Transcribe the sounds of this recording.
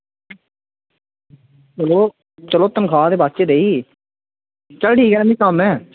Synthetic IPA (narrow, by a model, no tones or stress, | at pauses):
əloː | t͡ʃəloːt̪ənkʰaːd̪eːbaːst͡ʃeːd̪eːiː | t͡ʃəlʈiːɡɛɾmĩːkamɛ̃ː